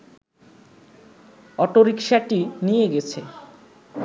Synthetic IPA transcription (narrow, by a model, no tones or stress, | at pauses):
ɔʈoɾikʃaʈinijeɡɛt͡ɕʰe